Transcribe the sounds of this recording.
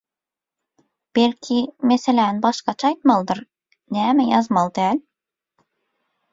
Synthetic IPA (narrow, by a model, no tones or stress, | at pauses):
b̥elkʲʰimeselænbɑʃqɑt͡ʃʰɑɑjt̪mɑlˠd̪ɤɾ | næmæjɑzmɑlˠd̪æl